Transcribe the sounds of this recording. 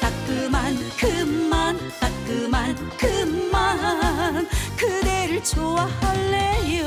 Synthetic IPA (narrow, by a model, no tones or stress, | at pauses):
tak͈ɯmankɯmman | tak͈ɯman | kɯmmankɯdeɾɯɭt͡ɕʰowahaɭːejo